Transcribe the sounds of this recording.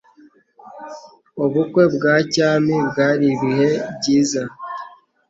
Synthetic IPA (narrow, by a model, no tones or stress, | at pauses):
oβukwe̞bɡaːcaːmibɡaːɾiβihe̞bɟiːza